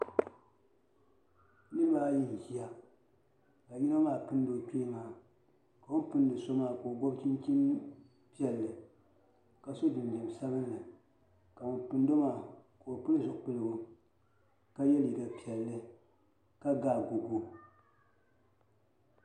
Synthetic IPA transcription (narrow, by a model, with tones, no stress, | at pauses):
nɨ˦ɾɨ˦baː˦ji˦˨hi˦a˦ | ka˨ji˦na˦maː˦˨pɨ˦n˦do˨tu˦maː˨ | ka˨wo˦pɨ˦n˦dɨ˨so˦maː˦˨ko˨ɡo˦bt͡ʃi˦nt͡ʃi˦n | pi˦ɛ˦˨lːɨ˨ | ka˨so˦dɨ˨n˨dɨ˨m˨sa˦bɨ˦nː˦ɨ˨ | ka˨o˨pɨ˨n˦do˦maː˦˨koː˨pɨ˦lzʊ˨k͡pɨ˦lɨ˨ɡʊ˨ | ka˦jɛ˦li˨da˨pi˨ɛ˨lːɨ˦ | ka˦ɡaː˦˨ɡo˨ɡo˦